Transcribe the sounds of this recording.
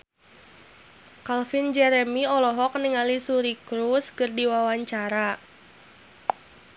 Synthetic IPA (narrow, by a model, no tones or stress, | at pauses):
kalfind͡ʒɛɾɛmiɔlɔɦɔk̚niŋalisuɾikɾuskɨrdiwawaɲt͡ʃaɾa